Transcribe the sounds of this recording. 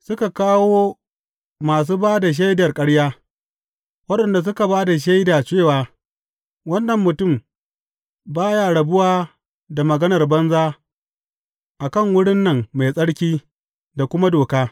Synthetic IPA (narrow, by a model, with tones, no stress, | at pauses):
sʊ˦ka˨kaː˦woː˦ | maː˨s̬uː˦baː˦da˨ʃ̬a˦jdɐ˨rkʼɐ˦ɽjaː˦ | wɐ˦ɗɐ˨nda˨s̬ʊ˦ka˨baː˦da˨ʃ̬a˦jdaː˨t͡ʃeː˦˨waː˨ | wɐ˦nːɐ˨mːʊ˨tʊ˦˨m | baː˦jaː˦ɽɐ˨bʊ˦waː˦ | da˨mɐ˨ɡɐ˦nɐ˨rbɐ˦nzaː˦ | ʔa˨kɐ˦˨ŋwʊ˦ɽɪ˦nːɐ˨ŋːa˨jsʼɐ˦ɽkʲiː˦ | da˨kʷʊ˦ma˦doː˨kaː˦